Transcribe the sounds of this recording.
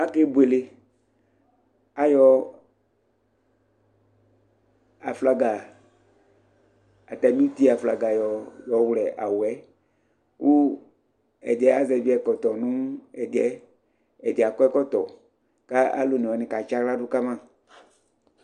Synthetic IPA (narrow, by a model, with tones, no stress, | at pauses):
a˦ke˦bu˨e˨le˨ | a˨jɔ˨ | a˨fla˨ɡa˨ | a˨t̪a˨mĩ˦t̪i˦a˨fla˨ɡa˨jɔ˨jɔ˨wlɛ˨ʔa˨wwɛ˦ | ku˦ | ɛ̰˨dɛ˦a˦zɛ˨vi˦ɛ˨kɔ˨t̪ɔ˨nũ˦ɛ˨dɛ˦ | ɛ˨di˨a˨kɔ˦ɛ˦kɔ˦t̪ɔ˨ | ka˦a̰˦lo˨nĩ˨ɔ˨nɪ̃˨ka˨t͡ʃa˦kla˦dʊ˦ka˦mã˦˨